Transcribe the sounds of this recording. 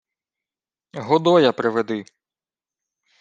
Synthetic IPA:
ɦɔd̪ɔjɐpɾɪʋed̪ɪ

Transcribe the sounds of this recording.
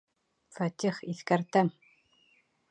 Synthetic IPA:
fæt̪ʲiχiθkæɾt̪ɘŋ

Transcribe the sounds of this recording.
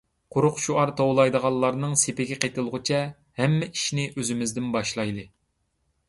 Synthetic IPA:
qʰʊɾʊqʃuɑɾt̪ʰowlˠɑjd̪əʁɑlˠːɑɾnɨŋsepɪɡʲɛqet̪ɨlˠʁʊt͡ʃʰɛ | hɛmːɛʔiʃnɪʔøzɪmɪzd̪ɪnbɑʃlˠɑjd̪ɨ

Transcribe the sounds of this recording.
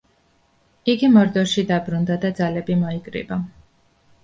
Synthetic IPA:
iɡimɔɾd̪ɔɾʃid̪abɾund̪ad̪ad̪zalɛbimɔikʼɾḭba

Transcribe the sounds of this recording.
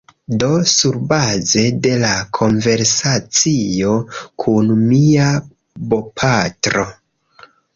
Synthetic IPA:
do̞suɾbaze̞de̞lakʰo̞nve̞ɾsat͡sijo̞kʰunmia | bo̞pʰatɾo̞

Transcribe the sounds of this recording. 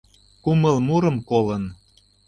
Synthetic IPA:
kumə̆lmuɾə̆mkolən

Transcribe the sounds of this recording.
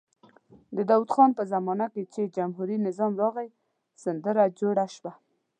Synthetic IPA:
d̪əd̪awud̪xɑnpəzamɑnaket͡ʃed͡ʒamɦuɾinɪzɑmɾɑɣaj | sand̪əɾad͡ʒoɽaʃwa

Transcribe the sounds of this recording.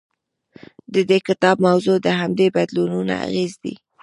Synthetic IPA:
d̪əd̪ekɪt̪ɑb̚mawzod̪əɦamd̪ebad̪lununa̰a̰ɣezd̪ḭ

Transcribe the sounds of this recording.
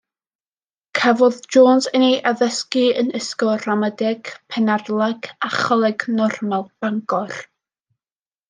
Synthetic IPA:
kʰavɔðd͡ʒoːnsənejʔaðəskiənəskɔramədɛɡ̥pʰɛnarlˠaɡaχɔlˠɛɡnɔrmalˠb̥aŋɡɔr

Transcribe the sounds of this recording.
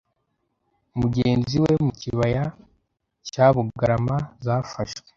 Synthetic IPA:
umuɟeːnziwe̞muciβaja | caβuɡaɾamazaːfaʃwe̥

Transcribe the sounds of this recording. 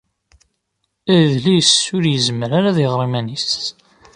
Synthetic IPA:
æðlisːʊɾjəzməɾaɾaðiʁɾˤimænis

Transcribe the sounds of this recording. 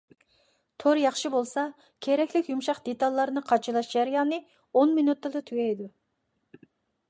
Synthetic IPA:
t̪ʰoɾjɑχʃɨbolˠsɑ | kʲʰeɾɛkʲlɪkʲjumʃɑqd̪et̪ɑlˠːɑɾnɨqʰɑt͡ʃʰɨlˠɑʃd͡ʒæɾɨjɑːnɨ | onmɪnut̪ːɨd̪ɨt̪ʰyɡʲɛjd̪u

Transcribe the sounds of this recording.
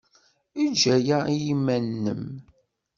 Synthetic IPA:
id͡ʒæjaijimːænːə̰m

